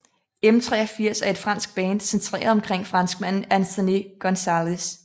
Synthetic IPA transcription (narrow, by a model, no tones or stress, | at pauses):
em̩t͡sʰʁɛ̰ːɐfiɐ̰sæɐed̥fʁɑ̈n̰sɡ̥̚b̥ɛːnd̥sent͡sʰʁḛːɐð̩ˠɒ̽mkʰʁeŋ̰fʁɑ̈nsɡ̥̚mæn̰ænt͡sʰonikʰɒ̽nsælis